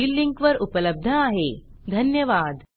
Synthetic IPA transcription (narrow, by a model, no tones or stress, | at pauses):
iːlːiŋkʋəɾupələb̚d̪ʱəaɦe | d̪ʱənjəʋad̪